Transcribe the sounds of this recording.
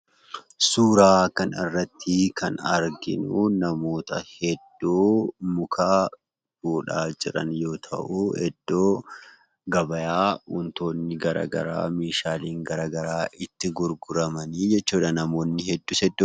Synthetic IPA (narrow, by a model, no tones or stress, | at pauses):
suːɾaːkɐnɪ̰rːɐt̪ʰːɪkʰɐnɐɾɡɪ̰nunɐmo̞ːt̪ɐhɛd̪ːuːmʊkʰaː | fuːᶑaːd͡ʒɪɾɐnjo̞ːt̪ʰɐ̰ʔuhɛ̰d̪ːoː | ɡɐbɐjaːʊnt̪o̞ːnːɪɡɐɾa̰ːɡɐ̰ɾa̰ːmiːʃaːliːŋɡɐɾaːɡɐɾaːʔɪt̪ːɪɡʊɾɡʊɾɐmɐniːd͡ʒɛt͡ʃːuːᶑɐnɐmo̞ːnːɪhɛd̪ːuːsɛd̪ːoː